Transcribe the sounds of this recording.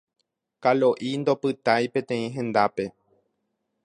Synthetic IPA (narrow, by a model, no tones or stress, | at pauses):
kaloʔind̪o̞pɨt̪ajpẽ̞t̪ẽ̞ĩɦẽ̞nd̪ape̞